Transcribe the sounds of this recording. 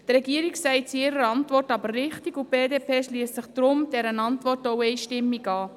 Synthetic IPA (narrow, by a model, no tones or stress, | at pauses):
t̪ɾɛɡiəɾiksɛɪt͡siɪɾəɾɑntʋɔrtɑbərːɪχtiɡʊb̥eːdeːpʰeːʃliəstsɪχd̥ɾʊmd̥ɛɾənɑntvʋɔrtoʊɛɪʃtɪmːiɡɑː